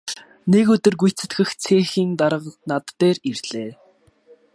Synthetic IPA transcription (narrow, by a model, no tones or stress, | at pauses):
nekɵt̪ɵ̆rɡujt͡sɘ̥̆t̪ɡɘ̆xt͡sʰeːxiːnt̪aɾə̆qnat̪ːeːrirɮ̥eː